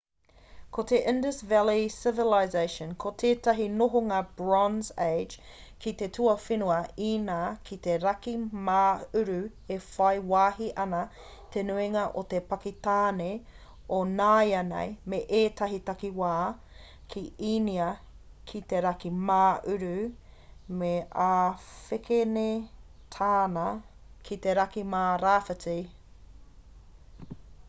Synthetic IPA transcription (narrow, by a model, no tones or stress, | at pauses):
kʰot̪eʔɪ̃ndəsvɛlisɪvɪlajzejʃənkʰot̪ʰeːtɐɦinoɦoŋaːb̥ɹɔnzeɪd͡ʒ | kʰit̪e̞tʰuɐfinuɐiːnaːkʰit̪eɾɐkimaːʉɾʉ | efɐjwaːɦiʔɐnɐ | t̪ʰenuiŋɐʔot̪epɐkit̪aːne | onaːjɐnḛjmeʔeːt̪ɐɦitɐkiwaː | kʰiiniɐ | kʰit̪eɾɐkimaːʔʉɾʉ | meʔaːfekene | t̪ʰaːnɐ | kʰit̪eɾɐkimaːɾaːfɐt͡si